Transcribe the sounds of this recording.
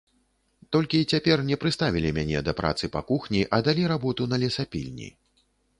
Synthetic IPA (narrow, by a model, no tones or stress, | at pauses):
t̪ɔlʲkʲit͡sʲapʲɛrnʲɛpɾɨst̪avʲilʲimʲanʲɛd̪ɐpɾʔa̰t̪sɨpa̰kuxnʲiʔɐd̪alʲiɾabɔt̪unɐlʲɛsapʲḭlʲnʲḭ